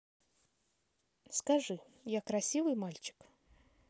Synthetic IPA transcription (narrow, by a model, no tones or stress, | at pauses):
skɐʐɨ | jakɾɐsʲivɨjmalʲt͡ɕɪ̥k